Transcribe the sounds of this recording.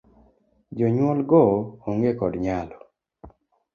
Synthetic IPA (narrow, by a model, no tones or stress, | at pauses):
d͡ʒoɲwɔlɡɔoŋɡekɔdɲalɔ